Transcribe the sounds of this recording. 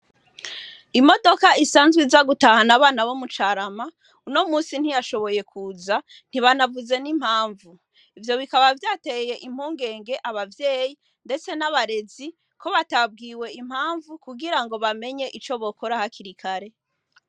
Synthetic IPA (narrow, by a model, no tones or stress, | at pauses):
imo̞do̞kaisaːnzɡizaɡutahanaβaːnaβomut͡ʃaɾama | uno̞muːsin̥hijaʃo̞βo̞je̞kʰuːza | n̥iβanavuze̞nim̥haːɱvu | ivjo̞βikaβavjaːteje̞ʔim̥huːŋɡe̞ːŋɡe̞ʔaβavje̞ːji | nde̞t͡se̞naβaɾe̞zi | ko̞βatab̚ɡiːwe̞im̥haːɱvukuɡiɾaŋɡo̞βame̞ɲe̞ʔit͡ʃo̞βo̞ko̞ɾahakʰiɾikʰaɾe̞